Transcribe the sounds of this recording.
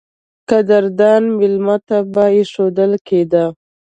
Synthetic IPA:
kad̪aɾd̪ɑnmɪlmat̪abajeʂod̪əlkʰed̪a

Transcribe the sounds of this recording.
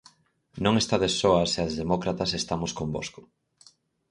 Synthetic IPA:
nõŋest̪aðesoɐseaezðemɔkɾat̪ɐsest̪amoskomboskʊ̥

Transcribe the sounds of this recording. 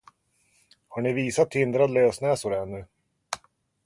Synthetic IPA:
haɳɪviːsat̪ʰhɪnd̪ɾad̪løːsnɛːsʊɾɛnːɵ

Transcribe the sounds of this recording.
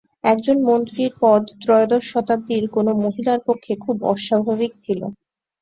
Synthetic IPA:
ɛkd͡ʑonmont̪ɾiɾpɔd̪t̪ɾɔeod̪ɔɾʃɔt̪ab̚d̪iɾkonomoɦilaɾpokʰːekʰubɔ̰ʃabʱaβik̚t͡ɕʰilo̰

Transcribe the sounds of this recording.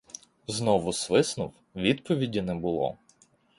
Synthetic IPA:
znɔʋʊsʋɪsnʊw | ʋʲid̪pɔʋʲidʲinɛbʊlˠɔ̰

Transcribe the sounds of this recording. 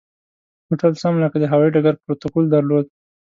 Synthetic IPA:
hoʈalsamlakad̪əɦawaiɖaɡaɾpɾot̪okold̪aɾlod̪

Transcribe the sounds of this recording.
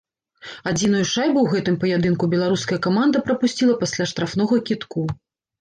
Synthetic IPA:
ad͡zʲinujuʂajbuwɣɛt̪ɨmpɐjad̪ɨnkubʲɛlˠaɾuskɐjɐkamand̪ɐpɾɐpusʲt͡sʲilˠɐpasʲlʲaʂt̪ɾafnɔɣɐkʲit̪ku

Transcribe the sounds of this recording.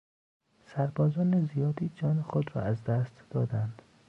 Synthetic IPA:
sæɾbɒːzɒːnezijɒːd̪iːd͡ʒɒːnexod̪rɒ̰ːæzd̪æst̪d̪ɒːd̪ænd̪̥

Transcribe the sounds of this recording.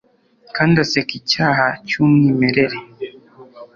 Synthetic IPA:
kandasɛkit͡ʃaɦat͡ʃunimɛɾɛɾi

